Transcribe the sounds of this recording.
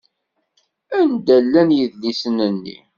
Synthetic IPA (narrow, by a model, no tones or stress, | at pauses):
ænd̪ælːænjəðlisənənːḭ